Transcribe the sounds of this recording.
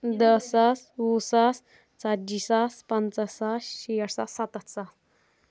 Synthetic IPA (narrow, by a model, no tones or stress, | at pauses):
d̪əsasusas | t͡sad͡ʑisaspant͡səsaɕiɽsasat̪ət̪sas